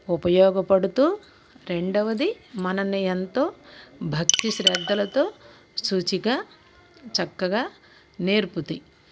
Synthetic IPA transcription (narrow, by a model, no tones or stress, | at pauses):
upɐjɔːɡɐpɐɽut̪uː | ɾe̞ɳɖɐʋɐd̪imɐnɐniɐnt̪o̞ːbʱɐk̚t̪iʃɾɛːd̪ːɐlɐt̪o̞ː | suːt͡ʃiɡaː | t͡ʃɐkːɐɡaː | neːɾput̪i